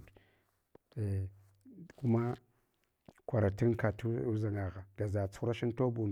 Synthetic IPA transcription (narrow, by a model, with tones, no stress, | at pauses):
e˨ | ku˦ma˦ | kʷa˨ɾa˨ti˦ŋka˨tu˦za˨ŋa˨ɣa˨ɡ̥a˨za˨t͡su̥˦u˦ɾa˦ʃi˦n˦to˦bu˨n